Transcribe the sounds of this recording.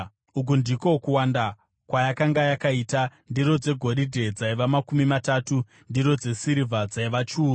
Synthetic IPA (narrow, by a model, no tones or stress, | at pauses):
uk̬undikokuwanda | kwajakaŋɡajakaitandiɾo̞d͡ze̞ɡʱo̞ɾidʱe̞d͡zaiʋamakumimatatu | ndiɾo̞d͡ze̞siɾivad͡zaiʋat͡ʃuːr